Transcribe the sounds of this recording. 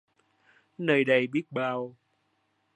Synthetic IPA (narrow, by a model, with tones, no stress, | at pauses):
nəː˨˩jɗə˧˩jɓi˦˥ət̚ɓaː˧w